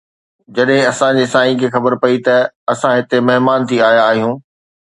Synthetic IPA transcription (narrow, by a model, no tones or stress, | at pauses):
d͡ʑɐɗɦɪ̃ɐsãd͡ʑeːsaːĩkʰeːxɐbəɾpɐit̪ɐɐsãɦɪt̪emɐɦɪmaːnt̪ʰiaːjaːɦijũː